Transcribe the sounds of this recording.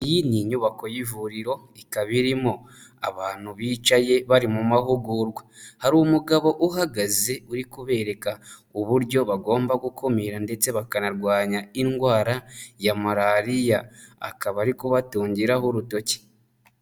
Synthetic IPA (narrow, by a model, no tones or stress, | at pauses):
jiniɲuβako̞jivuɾiɾo̞ | ikaβiɾimo | a̰βaːn̥huβiːt͡ʃaje̞βaɾimumahuɡuɾɡwahaɾumuɡaβo̞ʔuɦaɡaze̞uɾikuβe̞ːɾe̞kauβuɾɟo̞βaɡo̞ːmbaɡukʰomiːɾande̞t͡se̞βakanaɾɡwaːɲaiŋɡwaːɾajamaɾaɾija̰ːkaβaɾikuβatuːɲɟiɾahoɾuto̞ce̥